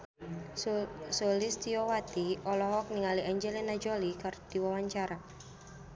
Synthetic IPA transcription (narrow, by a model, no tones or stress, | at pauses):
solist̪iowat̪iɔlɔɦɔk̚niŋaliʔaɲd͡ʒelinad͡ʒolikard̪̥iwawaɲt͡ʃaɾa